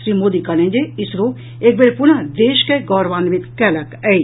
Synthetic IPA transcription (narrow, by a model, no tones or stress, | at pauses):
ʃɾiːmoːd̪ikɐnẽɲd͡ʒeɪsɾo | eːk̚beɾpʊnad̪eːʃkeɡɔːɾʋaːnʋɪt̪kɛːlɐkɛ